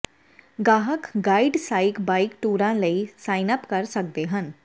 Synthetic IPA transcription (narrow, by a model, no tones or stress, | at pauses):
ɡaːɦəkɡaːɪɖsaːɪkbaːɪkʈuːɾãːləisaːɪnəpkɐɾsək̚d̪eɦən